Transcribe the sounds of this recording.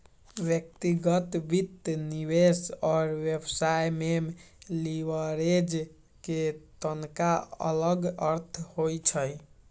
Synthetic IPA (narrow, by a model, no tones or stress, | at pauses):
bjək̚t̪iɡət̪bit̪nibesɔːɾʋjebsajmem | liʋəɾed͡ʒ | ket̪ənkaə̰ləɡəɾt̪ʰhojt͡ʃʰəj